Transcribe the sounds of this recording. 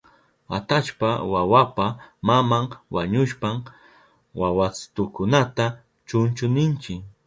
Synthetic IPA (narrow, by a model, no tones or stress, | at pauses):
at̪at͡ʃpawawapamamaŋwaɲʊʃpam | wawat͡st̪ʊkʊnat̪a | t͡ʃʊnt͡ʃʊnɪnt͡ʃɪk